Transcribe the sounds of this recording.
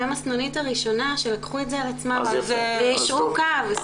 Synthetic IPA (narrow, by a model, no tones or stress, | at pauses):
amasnonitaʁiʃo̞naʃe̞lakχuetzealat͡smaveveiʃukav